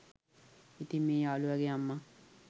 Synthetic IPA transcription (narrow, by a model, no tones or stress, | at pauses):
it̪imːeːaːluʋæɡejamːa